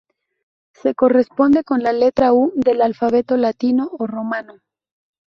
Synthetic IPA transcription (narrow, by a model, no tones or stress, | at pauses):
se̞ko̞re̞spo̞nd̪e̞ko̞nlale̞t̪ɾaud̪e̞lalfaβe̞t̪o̞lat̪ino̞ːro̞mano